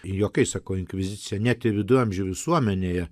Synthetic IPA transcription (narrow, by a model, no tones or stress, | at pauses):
joːkɐɪsɑːkɐʊɪnʲkʋʲɪzʲɪt͡sʲɪjɛnʲæt̪ʲɪʋʲɪd̪ʊɐmʲʒʲʊʋʲɪsuɔmʲɛnʲeːjɛ